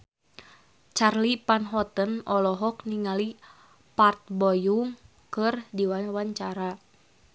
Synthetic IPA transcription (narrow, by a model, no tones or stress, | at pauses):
t͡ʃarlipanɦɔt̪ənɔlɔɦɔkniŋali | part̪̚bɔjuŋ | kɨrdiwawaɲt͡ʃaɾa